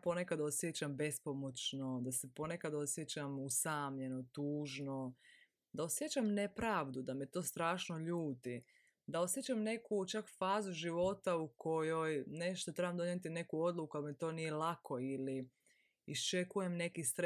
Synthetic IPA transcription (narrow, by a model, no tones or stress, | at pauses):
pone̞kad̪aosje̞t͡ɕambe̞spo̞mot͡ʃno̞d̪ase̞po̞ne̞kad̪o̞sje̞t͡ɕamusaːmʎe̞no̞t̪uːʒno̞ | d̪ao̞sjet͡ɕamne̞pɾaːʋd̪ud̪ame̞t̪o̞ːst̪ɾaːʃnoʎuːt̪i | d̪ao̞sje̞t͡ɕamne̞kut͡ʃakfaːzuʒiʋo̞t̪auko̞jojne̞ʃt̪ot̪ɾebamd̪o̞ɲet̪ine̞kuo̞d̪lˠukualmet̪o̞ːnije̞lakʰo̞ili | ist͡ʃe̞kuje̞mne̞kist̪ɾ